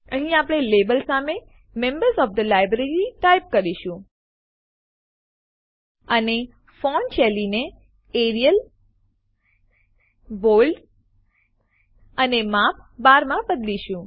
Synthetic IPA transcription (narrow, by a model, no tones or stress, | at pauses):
əɦĩapɽ̃elebəlsame | mẽmbəɾsɔfd̪əlajbɾeɾiʈajp̚kəɾiʃũ | əne | font͡ʃʰɛline | eɾijəl | bolɖ | ənemap̚baɾmãbəd̪liʃũ